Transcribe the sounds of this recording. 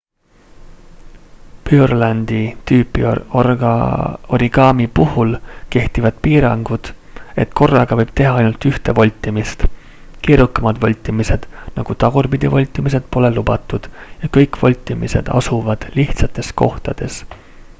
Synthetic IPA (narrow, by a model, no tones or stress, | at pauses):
pyrlænd̪̥it̪yːpːˑḭ | oɾiɡ̥ɑːmipuhulke̞ht̪ivɑd̪̥piːɾɑŋɡ̥ud̪̥ | e̞̰t̪ko̞rːɑɡ̥ɑvɤjb̥t̪e̞ɦɑɑjnult̪yht̪e̞vo̞lʲt̪ˑːimist̪ | keːɾukːˑɑmɑd̪̥vɑlʲt̪ˑːimise̞d̪̥nɑ̰ɡ̥ut̪ɑɡ̥urbid̪̥ʲivo̞lʲt̪ːˑimis̬e̞d̪̥̚po̞le̞lubɑt̪ːˑud̪̥jɑkɤjkvo̞lʲt̪ːˑimḭse̞̰d̪̥ɑ̰suvɑd̪̥liht̪sɑt̪ːˑe̞sko̞̰ht̪ɑd̪̥e̞s